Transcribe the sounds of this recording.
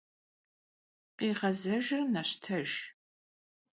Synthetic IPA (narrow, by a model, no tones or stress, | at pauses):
qiːʁɐzɐʒɪrnɐɕtʰɐʒ